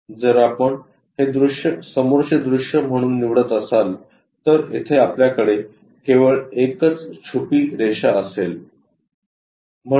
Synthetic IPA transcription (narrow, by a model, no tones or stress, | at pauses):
d͡zəɾapəɳ | hed̪ɾuʂjəsəmoɾt͡ɕed̪ɾuʂjəm̤əɽ̃uːnːiʋɽət̪əsal | t̪əɾḛt̪ʰeapljakəɽe | keʋəɭekət͡st͡ɕʰupiːɾeɕaəsel | m̤ə